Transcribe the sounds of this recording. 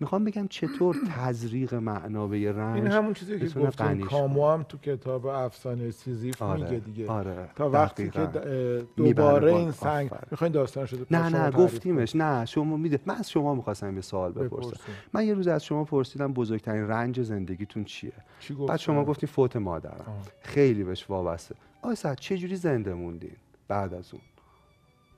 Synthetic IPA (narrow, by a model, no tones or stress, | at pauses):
mixɒːmbe̞ɟæmt͡ʃʰe̞t̪ʰoːɾt̪ʰæzɾiːɣe̞mæʔnɒːbejeræinhamunt͡ʃʰizijeet̪unetɡæniːɔːmoæmt̪ʰucʰet̪ʰɒːbeæfsɒːnejsizifɾmieɡed̪iɡeɒɾet̪ʰɒːvætiiːɡend̪omiːbbæːɾeinsæŋɡ̰mixɑjmd̪ɒːst̪ːnʃod̪inænæɡoft̪ʰiːmeʃnæʃommid̪emænæz̥ʃo̞mɒːmixɒːst̪æmjesoɒːlbe̞pʰoɾɾsɾæ̰mmːænje̞ɾuːziæz̥ʃo̞mɒːpʰoɾsiːd̪æmbozoɾc̚ʲt̪ʰæɾiːnrænd͡ʒe̞ze̞nd̪eɡʲiːt̪ʰunt͡ʃʰḭet͡ʃʰiɡoæ̰ːd̪ʃo̞mɒːɡoft̪iːmfoːt̪ʰe̞mɒ̰ːd̪æ̰ɾæ̰mxe̞jliːbeeʃvɒːbæst̪e | ɒːjsæd̪̥t͡ʃʰe̞d͡ʒuːɾiːzend̪e̞mund̪ḭn | b̥æd̪æzṵn